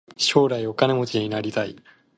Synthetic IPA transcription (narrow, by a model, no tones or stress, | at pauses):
ɕo̞ːɾaio̞kane̞mo̞t͡ɕiɲinaɾʲit̪aḭ